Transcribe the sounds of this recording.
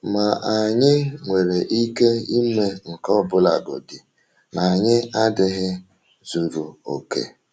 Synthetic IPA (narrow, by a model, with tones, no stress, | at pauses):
ma˨ʔa˨ɲɪ˦ŋʷe˨ɾe˨ʔi˦ke˦i˦me˨ŋ̩˨kɔ˦bʊ˦la̰˨ɡo̰˨dɪ˨ | na˨ɲɪ˦a˦dɪ˦ɦɪ˦ | zu˨ɾu˨o˨kḛ˨